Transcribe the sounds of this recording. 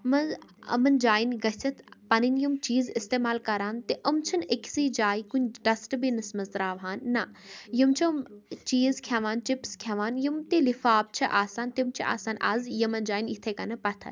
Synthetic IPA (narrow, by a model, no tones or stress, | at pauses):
mɐzɐ̰mɐnd͡ʒaːjinɡɐsɐt̪ʰpɐninjumt͡ʃiːzɪst̪eːmaːlkɐɾaːnt̪eʔɐmt͡ʃʰɐnekʰsiːd͡ʒaːikuɲɖɐsʈbinɐsmɐzt̪ɾaːʋɦaːnːɐjɐmt͡ʃʰimt͡ʃiːzkʰaːʋaːnt͡ʃipskʰaːʋaːnjimt̪elifaːb̚t͡ʃʰɐʔaːsaːnt̪imt͡ʃʰiʔa̰ːsaːnʔa̰ːzjɐmɐnd͡ʒaːjinit̪ʰekɐnɐpɐt̪ʰɐ̰n